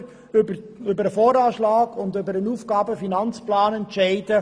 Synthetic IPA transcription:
bəʏbəɾəfɔːɾɑːʃlaːɡʊndʏbəɾənuːfɡ̥ɑːbəfinɑnt͡splaːnɛntʃɛɪdə

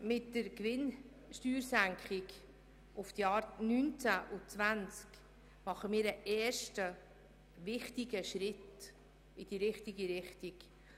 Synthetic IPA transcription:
mɪtːəɾkvɪn | ʃtyːɾsæŋkχɪk | ʔʊfd̥̪jɑːɾnynt͡sæʔʊt͡svænt͡sk | mɑχəmiːɾəʔɛːrʃtə | vɪχtiɡəʃɾɪt | ɪd̥iɾɪχtiɡiɾɪχtik

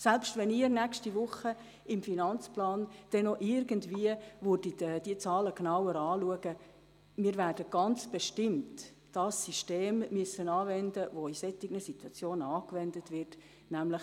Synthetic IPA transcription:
sɛlpʃtvɛniːəɾnɛkʃtiʋʊχə | ɪmfinɑnt͡splɑːnd̥ɛnɔʔɪɾɡəntviəʋʊd̥idəd̥iət͡sɑːləknawəɾɑːluəɡ̥ə | miːɾvæːrd̥əɡ̥ɑnt͡sb̥ɛʃtɪmt | d̥ɑsːiʃteːmːyəsənɑːvɛndəʋoisɛtɪɡnəsituɑt͡sjoːnəɑːkʋɛndətʋɪrt | næmləx

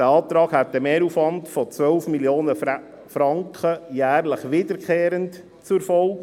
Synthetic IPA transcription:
dəɑːt̪ɾɑːɡhæt̚dəmeːɾuːfʋɑntfɔt͡sʋœlfmiljoːnə | fɾɑŋkχəjæːɾləχʋɪd̥əɾkχeːɾənt | t͡sʊfɔlk

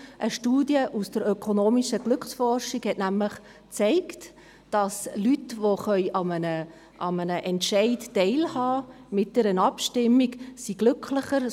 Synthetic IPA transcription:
ʔəʃtuːdjəʔusd̥əɾøkʰonoːmiʃəɡ̥lʏkχsfɔrʃiɡhɛtnæmləχ | t͡seɪkt | d̥ɑslytʋoχœʏɑmənə | ʔɑmənəʔɛntʃɛɪtːɛɪlhɑː | mɪt̚d̥ɛɾənɑpʃtɪmːiksiɡ̥lʏkʰləχəɾ

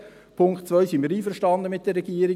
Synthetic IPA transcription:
pʰʊŋktt͡sʋœʏsɪnmiːɾiːfəɾʃtɑndəmɪt̚d̥eɾːɛɡ̥iːəɾɪ

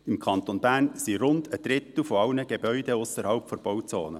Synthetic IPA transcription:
ɪmkʰɑnt̪onbæːrnsiɾʊndəd̥̪ɾɪt̪l̩fɔɑlnəɡ̥ebœʏdeʊsəɾhɑlpfɔɾb̥ɔwt͡soːnə

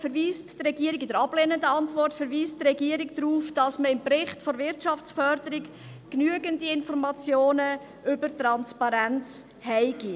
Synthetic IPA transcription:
fəɾʋiːstdrɛɡiəɾɪɡɪd̥əɾɑb̥leːnəndəɑntʋɔrtfɛɾʋiːsttɾɛɡiːɾɪk̚dɾuːfd̥ɑsməɪmpɾɪχtfoɾvɪɾtʃɑft͡sfœɾdəɾɪk | knyəɡəndiɪnfɔɾmɑt͡sjoːnə | ʏbəɾtrɑnspɑɾænt͡s | hɛɪɡi

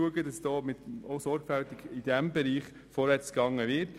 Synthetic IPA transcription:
uəɡəd̥ɑsd̥ɔːmɪtoʊsɔɾɡ̥fæltɪɡɪd̥ɛmbɛɾiːχ | fɔɾʋɛt͡sɡ̥ɑŋːəvɪɾt

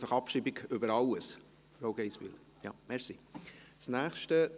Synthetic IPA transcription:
fɑχɑpʃiːbiɡʏbəɾɑləs | fɾoʊɡ̥eɪsʋy̰ːl | jɑ̰ːmɛɾsisnæːχʃtə

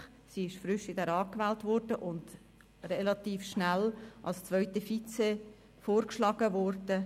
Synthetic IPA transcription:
siɪʃfɾʏʃɪd̥ɛɾɑːkʋɛːltʋɔɾdəʔʊnd̥ | relɑt̪iːfʃnælʔɑ̰lst͡sʋœʏtəfit͡se | foːrkʃlɑːɡ̥əʋɔrdə

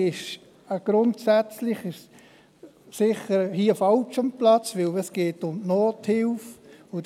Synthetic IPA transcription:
ɪʃ | əɡ̥ɾʊntsɛt͡slɪχɪʃ | sɪχəɾhiːəfɑlt͡ʃamplɑt͡sʋɪləsɡ̥eːtʊmnoːthɪlfʊ

